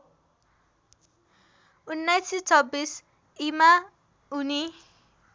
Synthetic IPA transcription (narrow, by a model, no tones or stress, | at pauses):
unːajsit͡sʰʌbːis | ima | uni